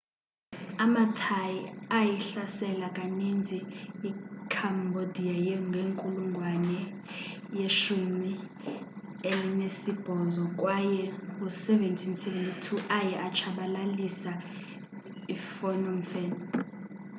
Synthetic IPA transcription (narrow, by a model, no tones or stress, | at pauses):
amatʰajiajiɬasɛlakʼanind͡zʱiː | kʰambʱodʱiajɛŋɡʱeŋkʼuluŋɡʱwanɛ | jeʃumi | elinesib̥ʱɔzɔkʼwajɛkusɛventʰinsɛvɛntʰʼitʰuʔajɛʔat͡ʃʰaɓalalisa | ifɔnɔmfɛn